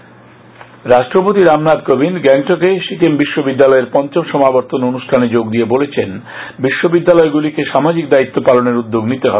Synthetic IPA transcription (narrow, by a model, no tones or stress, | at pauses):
ɾaʃʈɾopot̪iɾamnad̪kobinɡɛŋʈokeʃikembiʃːobid̪ːalɔeɾpɔnt͡ɕomʃɔmaboɾt̪ononuʃʈʰaned͡ʑoɡd̪iebolet͡ɕʰen | biʃːobid̪ːalɔeɡulikeʃamad͡ʑikd̪ait̪ːopaloneɾud̪ːoɡnit̪eɦɔ̰e